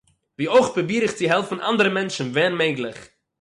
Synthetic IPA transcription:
viːoɪχpəbiːɾɪχt͡sɪɦɛlˠfn̩ʔa̰ndəɾəmɛnʃn̩vɛːnmeɪɡlˠɪχ

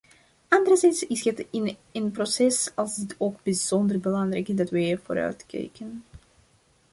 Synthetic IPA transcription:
ʔɑndəɾəzɛjtsɪsətɪnənprosɛsɑlˠzdɪtʰoːɡ̚bizɔndərbəlɑŋrɛ̰jkɪzdɑtʋəiːrvo̰ːɾœ̰ɥtkɛ̰jkən

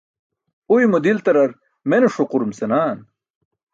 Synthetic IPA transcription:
ujmud̪ilt̪ɐɾɐɾ | menuʂuquɾumsenaːn

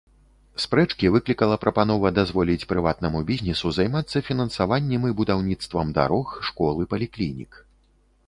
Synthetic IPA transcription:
spɾɛt͡ʂkʲivɨklʲikɐlˠɐpɾɐpanɔvɐd̪azvɔlʲit͡sʲpɾɨvat̪̚nɐmubʲizʲnʲɛsuzajmat̪sːɐfʲinɐnsavanʲːɛmɨbud̪awnʲit̪st̪vɐmd̪a̰ɾɔxʂkɔlˠɨpɐlʲiklʲinʲḭk

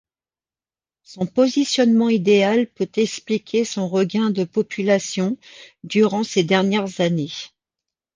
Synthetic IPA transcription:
sɔ̃pɔzisjɔnmɑ̃id̪ealpøt̪ɛksplikʲʰesɔ̃ʁəɡʲɛ̃d̪əpɔpʰylasjɔ̃d̪yʁɑ̃sed̪ɛʁnjɛʁzane

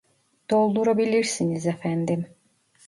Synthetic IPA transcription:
d̪̥olˠd̪uɾabilʲiɾsinizefænd̪im

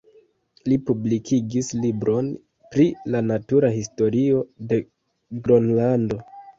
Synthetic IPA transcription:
lipublikʰiɡislibɾo̞n | pɾilanatuɾahisto̞ɾio̞de̞ | ɡɾonlando̞

